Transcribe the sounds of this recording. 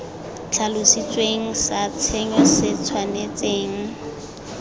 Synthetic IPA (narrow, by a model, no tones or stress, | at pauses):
t͡ɬʰalʊsit͡sʼweŋ̩sat͡sʰeɲɔsɪt͡sʰwanet͡sʼeːŋ̩